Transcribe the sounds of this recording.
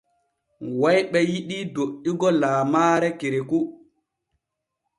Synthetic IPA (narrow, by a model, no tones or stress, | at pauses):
wajɓɛjiɗidoʔːiɡɔlaːmaːɾɛkeɾeku